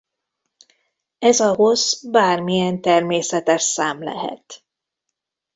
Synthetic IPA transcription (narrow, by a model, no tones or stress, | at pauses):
ɛzɒɦo̞z̥baːrmijɛnt̪ɛrmeːsɛt̪ɛʃsaːmlɛ̰ɦɛ̰t̪